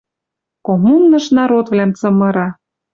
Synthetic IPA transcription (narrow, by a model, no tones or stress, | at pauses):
komunːɤ̆ʃnɑɾot̪vlæmt͡sɤ̆mɤ̆ɾɑ